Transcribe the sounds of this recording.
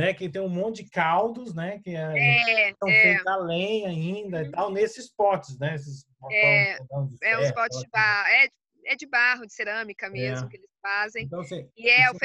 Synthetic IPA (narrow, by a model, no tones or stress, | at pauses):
nɛkɪt̪ẽj̃ũmõnt͡ʃɪd͡ʒɪkawd̪ʊznɛkɪɛɛ̃sɐ̃w̃ɛfejzalẽj̃aĩnd̪ɐit̪awnesɪspɔt͡ʃɪsnɛes̬ɪs | ɔɔõd͡ʒɪɛũɛspɔt͡ʃɪd͡ʒɪbahʊɛd͡ʒ | ɛd͡ʒɪbaɦʊd͡ʒɪseɾɐ̃mikɐmezmʊkɪelɪsfazẽj̃t̪ɐ̃w̃ɐsĩɪɛfe